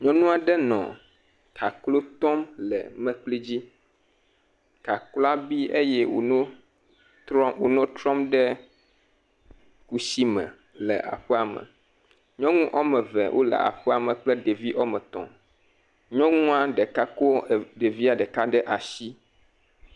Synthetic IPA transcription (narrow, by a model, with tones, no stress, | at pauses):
ɲɔ̃˦nũ˦a˨ɖɛ˦nɔ̰̃˨ | kʰa˨klo˦t̪ɔ˦mlɛ̰˨mɛ̃˦k͡pli˦d͡ʑi˦ | ka˨kla˦bi˦ʔe˦jɛ˦wo˨nõ˦ | t̪ɾɔ˦wo˨nɔ̃˦t̪ɾɔ̃˦mɖɛ˦ | ku˦si˦mɛ̃˨ | lɛ˨ʔa̰˨ɸɛ˦a˨mɛ̰̃˨ | ɲɔ̃˦ŋũ˦ʔɔ˦mɛ̃˨vɛ̰˨wʔo̰˦lɛ̰˨a̰˨ɸɛ˦a˨mɛ̃˨k͡plɛ˦ɖe˨vi˦ʔɔ˦mɛ̃˨t̪ɔ̰̃˨ | ɲɔ̃˦ŋũ˦a˦ɖɛ˨ka˦ko˦˨ɖe˨vi˦a˨ɖɛ˨ka˦ɖɛ˦ʔa˨ʃi˦